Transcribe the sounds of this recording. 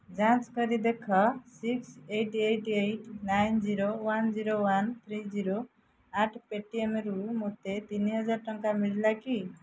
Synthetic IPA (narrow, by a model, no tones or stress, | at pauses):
d͡ʒãt͡ʃkɔɾid̪ekʰɔsiksejʈejʈejʈnajnd͡ʒiɾowand͡ʒiɾowant̪ʰɾid͡ʒiɾo | aʈʰpeʈiemɾumot̪et̪iniɦʌd͡ʒaɾʈɔŋkamiɽlaki